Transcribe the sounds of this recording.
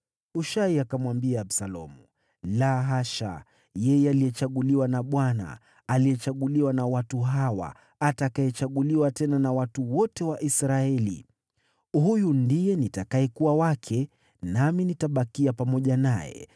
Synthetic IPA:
uʃaiakamwambiaːɓsalɔ̰mu | laɦaʃa̰ | jɛjɛalijɛt͡ʃaɠuliwanaɓwana̰ː | lijɛt͡ʃaɠuliwanawatuɦawa̰ | atakaɛt͡ʃaɠuliwatɛnanawatuwɔtɛwaʔisɾaɛlḭ | ɦujundijɛnitakaɛkuwawakʰɛ | naminitaɓakiapamɔʄanajɛ̰

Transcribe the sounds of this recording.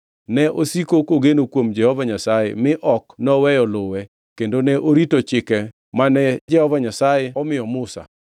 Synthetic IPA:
nɛʔosikokoɡenokwomd͡ʒɛhɔvaɲasajḛmɪʔɔknɔwɛjɔlʊwɛ | kendonɛʔoɾitot͡ʃɪkɛ | manɛd͡ʒɛhɔvaɲasajɛɔmɪjɔmʊsa̰

